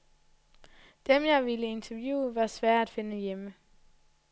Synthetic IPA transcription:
d̥emjɑ̈ɪʋiləe̝nt͡sʰɐʋjṵːʋɑ̈sʋæɐ̰æd̥fe̝nəjemə

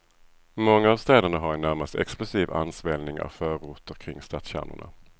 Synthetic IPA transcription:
mɔŋːaːvst̪ɛːd̪əɳaɦaɾɛnːæɾmast̪ɛ̰ksplɵsiːva̰nspɛːlnɪŋa̰fœːɾuːt̪əɾkʰɾɪŋːst̪at̪sɕæ̰ɾnʊ̰ɳa̰

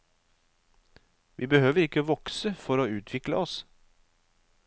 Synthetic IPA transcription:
ʋiːbəhøːʋəɾɪkːəʋɔksəfɔɾoːʉːt̪ʰʋɪklə̰ɔs

